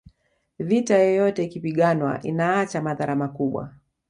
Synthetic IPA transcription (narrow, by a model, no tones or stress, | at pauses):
vitajɔjɔtɛikipiɠanwa̰ʔḭnaat͡ʃamaðaɾamakuɓwa̰